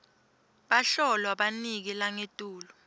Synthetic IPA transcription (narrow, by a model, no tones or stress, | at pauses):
ɓaɬɔlwaɓanik̬ilaŋetʼuːlɔ